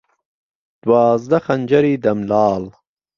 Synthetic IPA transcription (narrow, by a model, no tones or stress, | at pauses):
d̪̥wɑːzd̪axand͡ʒaɾid̪amlɑːl